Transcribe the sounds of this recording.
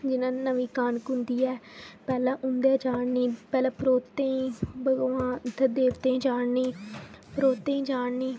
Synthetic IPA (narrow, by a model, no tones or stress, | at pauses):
d͡ʒɪnãːnəʋiːkaːnkʊ̃nd̪iːɛːpɛːlãːʔʊnd̪ɛːd͡ʒaːɳniːpɛːlɛ̃ːpɾoːt̪ːẽːĩːbəɡʋãːd̪əd̪eːʋt̪ẽːd͡ʒaːɳniːpəɾoːt̪ːẽːĩːd͡ʒaːɳniː